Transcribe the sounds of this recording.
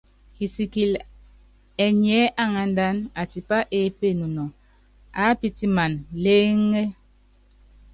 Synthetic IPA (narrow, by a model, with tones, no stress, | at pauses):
ki˨si˨ki˨l | ɛ˨ɲɛ˨˦ʔa˦ŋa˨n˦da˦na˨ti˨pa˦ʔe˦pe˦˨nu˨nɔ˨ | a˨˦pi˦ti˦ma˨nle˦ŋe˦